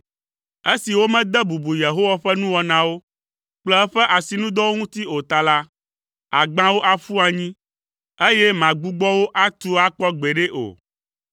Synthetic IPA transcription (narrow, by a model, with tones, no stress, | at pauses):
e˦si˨wo˦mɛ̃˦d̪ɛ˦bu˨bu˨je˨ɦo˦wa˦ɸɛ˦nũ˦wɔ˨nã˨wo˦ | k͡plɛ˦ɛ˦ɸɛ˦ʔa˨si˨nũ˦d̪ɔ˦wo˦ŋũ˦t̪i˦o˨t̪a˨la˦ | a˨ɡ͡bã˦wo˦ʔa˨fu˦a˨ɲĩ˦ | e˦je˦mã˨ɡ͡bu˦ɡ͡bɔ˦wo˦ʔa˦t̪u˦a˦k͡pɔ˦ɡ͡be˨ɖe˦ʔo̰˨